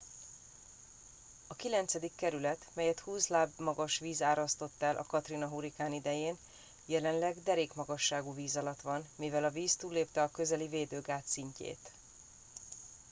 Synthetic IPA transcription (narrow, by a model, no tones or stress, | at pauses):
ɒkilɛnt̪sɛd̪ikːɛɾylɛt̪mɛjɛt̪huːslaːbmɒɡɒʃʋiːzaːɾɒst̪o̞t̪ːɛlʔɒ̰kɒt̪rinɒɦuɾikaːnid̪ɛjeːn | jɛlɛnlɛɡd̪ɛɾeːkmɒɡɒʃːaːɡuːviːzɒlɒt̪ʋɒnmivɛlɒviːst̪uːlːeːpt̪ɛɒkø̞zɛliveːd̪øːɡaːt̪siɲcḛːt̪